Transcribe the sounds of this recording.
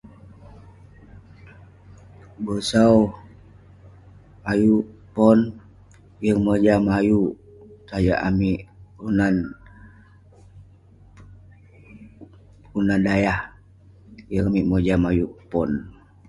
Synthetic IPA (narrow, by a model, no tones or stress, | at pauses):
bəsau | ajuʔpɔn | jəŋməd͡ʒamajuʔ | tajaʔamiʔunan | unandajah | jəŋamiʔməd͡ʒamajuʔpɔn